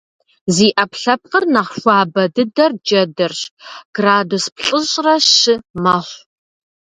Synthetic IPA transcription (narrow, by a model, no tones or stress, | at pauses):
ziːʔɐpɬɐp̚qərnɐχʃʷɑːbɐdɨdɐrd͡ʒɐdɐrɕɡ̥raːdospɬʼəɕʼrɐʃɨmɐχʷ